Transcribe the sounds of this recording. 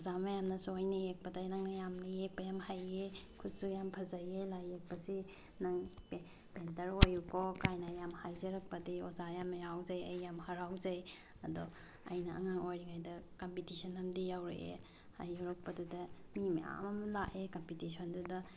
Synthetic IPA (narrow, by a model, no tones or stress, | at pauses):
ozamɐjamnɐsuojnijek̚pɐdajnɐŋnɐjamnijek̚pɐjamhajekʰutsujampʰɐzajelajek̚pɐsi | nɐŋp | pentɐɾojukʰokajnɐjamhajzɐɾɐk̚pɐdiozajamnɐjawzajɐ̰jːamhɐɾawzaj | ɐdɔ | ɐ̰jnɐʔa̰ŋaŋojɾiŋajdɐkompitisʰɔnɐmdijawɾḛʔḛ | ha̰joɾɐk̚pɐdudɐmima̰mɐmlaʔekompitisʰondudɐ